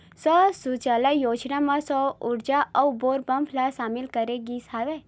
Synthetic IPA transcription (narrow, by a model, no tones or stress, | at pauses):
sɔsut͡ʃalajoːd͡ʒnamãsɔuɾd͡ʒaʔʔɐwboːɾbəmpʰlasaːmɪlkəɾeɡisaʋe